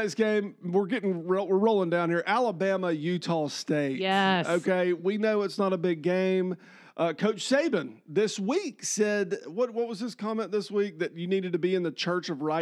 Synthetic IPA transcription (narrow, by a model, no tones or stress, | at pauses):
ɨsɡ̥ẽɪ̃mwɪɹɡɛɾɪ̃ŋɹowəɹɹoʊlˠɪ̃ŋdãʊ̃nhiɹʔælˠəbæməjʉtʰɔsteɪtoʊkʰeɪwinoʊɨtsnəɾəbɪɡẽɪ̃m | ʔʌkʰoʊt͡ʃseɪbɨ̃nðɪswiksɛdwʌt̚wʌt̚wʌzðɪskʰɑmɛ̃nðɪswik̚ðɨt͡ʃɨniɾɨd̚tɨbiɨ̃nðɨt͡ʃʰɜ˞t͡ʃʌvɹaɪ